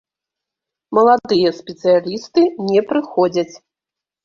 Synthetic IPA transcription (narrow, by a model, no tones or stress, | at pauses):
mɐlˠad̪ɨjɐspʲɛt̪sɨjalʲist̪ɨnʲɛpɾɨxɔd͡zʲɐt͡sʲ